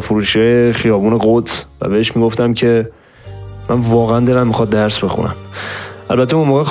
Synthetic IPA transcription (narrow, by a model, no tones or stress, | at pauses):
foɾuːʃijɒːjexijɒːbuːne̞ɣot̪svæ̰be̞eʃmiːɡo̞ft̪æmcʰe̞ | mʔænvɒːɣeænd̪e̞læmːixɒːd̪̚d̪æɾsbe̞xṵnʔæ̰mʔælbæt̪ʰːeunmoːɣe